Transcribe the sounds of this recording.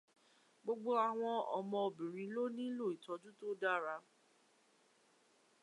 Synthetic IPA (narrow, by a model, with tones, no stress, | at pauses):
ɡ͡bo˧ɡ͡bo˦a˨˧˨w̃ɔ̃˧ɔ̰˧mɔ̃˧o˨bi˨ɾĩ˨˦lo˦nĩ˦lo˦˨i˨tɔ˨˧˦d͡ʒũ˦to˦da˦˨ɾa˧